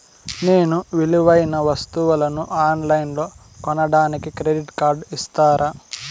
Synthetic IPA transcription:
neːnuʋiluʋɐjnɐʋɐst̪uʋɐlɐnuʔaːnlɐjnlo̞ː | kɔnɐɽaːnikikɾeɖiʈkaːɾɖist̪aːɾaː

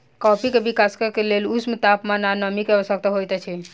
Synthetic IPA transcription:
kɔpikebikaskekelelusmt̪apmananəmikeəsək̚t̪əɦojt̪ɛt͡ʃʰɛ

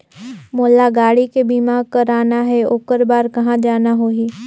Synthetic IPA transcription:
moːlːaɡaːɽikebiːmaːɾkɐɾaːnaɦɛoːkəɾbaːɾkɐɦãd͡ʒaːnaɦoːiː

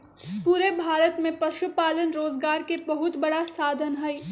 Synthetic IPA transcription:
puːɾebʱaːɾət̪mẽpɐʃupaːlənɾoːzɡaːɾkebɐɦʊt̪bɐɽasaːd̪ʱənɦɐi

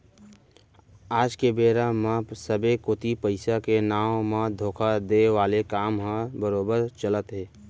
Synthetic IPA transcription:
aːd͡ʒkebeːɾamãsəbekoːt̪ipəɪsakenaːmãd̪ʱoːkʰad̪eːʋaːlekaːmɦãbəɾoːbəɾt͡ʃələt̪ɦeː

